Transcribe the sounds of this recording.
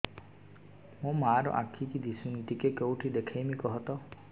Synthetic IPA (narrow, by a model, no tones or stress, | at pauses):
mũmaːɾɔ̰ʔakʰikid̪isunit̪ikekewʈʰid̪ekʰajmikɔɦɔt̪ɔ